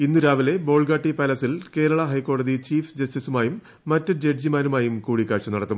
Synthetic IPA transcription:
inːuɾaːʋile̞bo̞ːɭɡaːʈːipɐlɐsilke̞ːɾɐɭɐɦɐjkːo̞ːɽɐðit͡ɕiːfd͡ʑɐstisumaːjumː | ɐtːɐd͡ʑeʈd͡ʑimaːnumaːjumkuːɽikːaːɻʂɐnɐɽɐt̪ːum

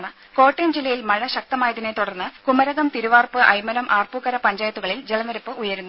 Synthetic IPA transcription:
ɳɨ | ko̞ːʈːemd͡ʑilːɐjilmɐɻɐɕɐk̚t̪ɐmaːjɐðinet̪ːuɽɐrnːɨkumɐɾɐɣɐmt̪iɾuʋaːrpɨʔɐjmɐɾɐmʔaːrpukːɐɾɐpɐɲd͡ʑaːjɐt̪ːuɣɐɭild͡ʑelɐnɐɾupːɨʔujɐɾunːu

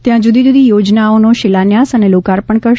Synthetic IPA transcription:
t̪jãd͡ʒud̪ʱid͡ʒud̪ʱijod͡ʒnaonoʃɪlanjasənelokaɾpəɳkəɾ

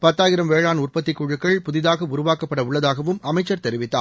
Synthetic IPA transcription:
pɐt̪ːaːjɪɾɐmʋeːɻaːnʊrpɐt̪ːɪkːuɻɯkːɐɭpʊðɪðaːɣɐʊɾʊʋaːkɐpːɐɽɐʊɭːɐðaːɣɐʋɯmɐmɐɪt͡ʃːɐɾt̪ɛɾɪʋɪt̪ːa̰ː

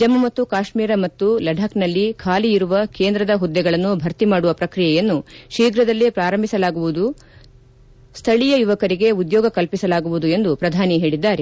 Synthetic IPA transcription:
d͡ʒɐmɐmɐt̪ːukaːʃmiːɾɐmɐt̪ːulɐɖʱaːknɐlːikʰaːliiɾuʋɐkeːnd̪ɾɐd̪ɐɦud̪ːɛɡɐɭɐnːubʱɐɾt̪imaːɽuʋɐpɾɐkɾijɛjɐnːuʃiːɡɾɐd̪ɐlːipɾaːɾɐmbʱisɐlaːɡuʋud̪u | st̪ʰɐɭijɐjuʋɐkɐɾiɡe̞ud̪jɔːɡɐkɐlpisɐlaːɡuʋud̪ue̞nd̪upɾɐd̪ʱaːniɦe̞ːɭid̪ːaːɾe

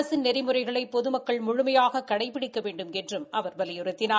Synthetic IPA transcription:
ɐsɪnnɛɾɪmɯrɐɪɣɐɭɐɪpːɔðɯmɐkːɐɭmʊɻʊmɐjaːɣɐkːɐɽɐɪpːɪɽɪkːɐʋeːɳɖɯmɛndrɯmɐʋɐɾbɐlɪjɯɾɯt̪ːɪnaː

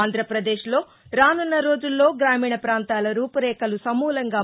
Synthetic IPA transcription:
nd̪ʱɾɐpɾɐd̪eːʃlo̞ː | ɾaːnunːɐɾo̞ːd͡ʒulːo̞ːɡɾaːmiːɳɐpɾaːnt̪aːlɐɾuːpɐɾɛːkɐlusɐmːuːlɐŋɡaː

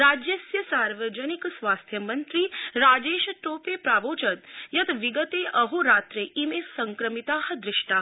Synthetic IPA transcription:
ɾaːd͡ʒjəsjəsaːɾʋəd͡ʒəniksʋaːst̪ʰjəmənt̪ɾiɾaːd͡ʒeːʃʈopepɾaːʋot͡ʃət̪jɐt̪ʋiɡət̪eʔɐɦuɾaːt̪ɾeʔimesəŋkɾəmit̪aːɦə̆d̪ɾɪʃʈa

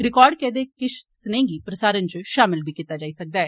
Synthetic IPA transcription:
ɾɪkɔːɾɖkɛːd̪eːkɪʃsnẽːɡiːpɾəsaːɾənt͡ʃʃaːmɪlbʱiːkiːt̪ːaːd͡ʒaːiːsək̚d̪aːɛː

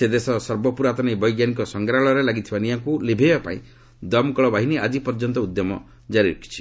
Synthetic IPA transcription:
sed̪esɔsɔɾbɔpuɾat̪ɔnejbɔjɡjanik̬ɔsɔŋɡɾaɭɔɾelaɡit̪ʰibaniɦaŋkulebʱebapa̰ĩ | d̪ɔmkɔɭɔbaɦiniad͡ʒipɔɾd͡ʒɔnt̪ɔud̪jɔmɔ | d͡ʒaɾiɾɔkʰi̥t͡ʃʰi̥

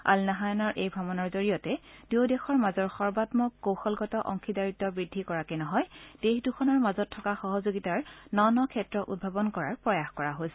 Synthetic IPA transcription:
a̰lnaɦajɔnɔɹʔejbʱɹabɔnɔɹzoɹijɔtɛd̥edexɔɹmazɔɹxɔɹbatmɔkkːowxɔlɡɔtɔʔɔŋkʰidaɹitːɔbɹidʱːikɔɹakenɔɦɔjd̥exdukʰɔnɔɹmazɔtʰːɔkaxɔɦɔzoɡitaɹnɔnɔkʰɛtɹɔʔṵd̚bʱabɔnkɔɹaɹpɹɔjaxkɔɹaɦolsɛ

